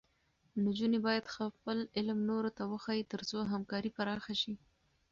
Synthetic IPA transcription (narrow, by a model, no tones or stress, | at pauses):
nod͡ʒunebɑjad̪xapəlɪlmnoɾot̪awəxɑjit̪əɾzoɦamkɑɾipaɾɑxaʃi